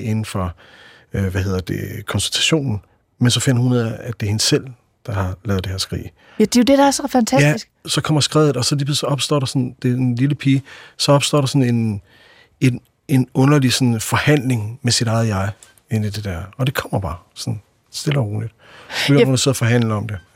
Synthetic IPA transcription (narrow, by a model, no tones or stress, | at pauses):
e̝nn̩fɒ̽ | øʋæhe̝ð̰ˠɐd̥e̝kʰɒ̽nsult͡sʰæ̥ɕo̝̰ːnn̩ | mensɒ̽fen̰ɐhuneð̰ˠæd̥e̝he̝nəsel̰ | d̥ɑ̈hɑ̈lɛːʊðˠd̥e̝heɐ̰sɡ̥ʁḭː | d̥ejod̥edɑæɐsɒfænt͡sʰæjæisɡ̥sɒ̽kʰɒ̽m̰ɐsɡ̥ʁɛ̰ːʊð̩ˠɒ̽sɒ̽lib̥ð̰ˠsɒ̽ɒ̽b̥sd̥ɔ̰ːɾɑ̈sɒ̽nd̥e̝liləpʰiːsɒ̽ɒ̽b̥sd̥ɔ̰ːɾ̥ɑ̈sɒ̽ne̝n | e | e̝nɔ̽nɐlisɒ̽nfɒ̽hæn̰le̝ŋmesiɾ̥ɑ̈ɪð̩ˠjɑ̈ɪ | enid̥e̝d̥æɐ̰ɒ̽d̥e̝kʰɒ̽m̰ɐb̥ɑ̈ːsɒ̽n | sd̥e̝l̰ɒʁo̰ːlid̥ | b̥øhunɐseðˠɐfɒ̽ɦæn̰ləɒ̽md̥e̝